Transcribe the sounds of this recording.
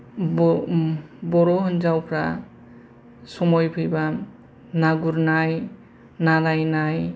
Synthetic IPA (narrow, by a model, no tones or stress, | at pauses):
bɔɾɔɦɔnd͡ʒawpʰɾa̰ | sɔmɔjpʰɯjba | naɡuɾnaj | nalajnaj